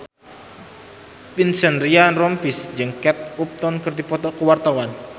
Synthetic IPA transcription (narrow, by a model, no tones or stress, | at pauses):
pinsənrianrɔmpisd͡ʒɨŋkɛt̪̚up̚t̪ɔnkərd̪ipɔt̪ɔkəwart̪awan